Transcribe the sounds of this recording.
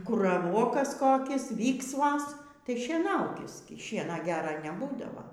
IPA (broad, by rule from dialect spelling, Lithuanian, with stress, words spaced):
ˈkʊr rɐˈʋoːkɐs ˈkoːkʲɪs ˈʋʲiːksʋɐs ˈtɐɪ ʃʲiɛˈnɐʊkʲɪs ɡʲɪ ˈʃʲiɛnɐ ˈɡʲæːrɐ nʲɛˈbuːdɐʋɐ